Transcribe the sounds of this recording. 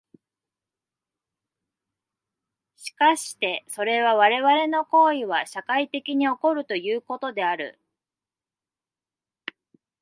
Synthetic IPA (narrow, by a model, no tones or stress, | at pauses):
ɕi̥kaɕi̥t̪e̞so̞ɾe̞β̞aβaɾe̞βaɾe̞no̞ko̞ːiβaɕakait̪e̞kʲiɲ̟io̞ko̞ɾɯ̟t̪o̞jɯːko̞t̪o̞d̪e̞aɾɯ̟̰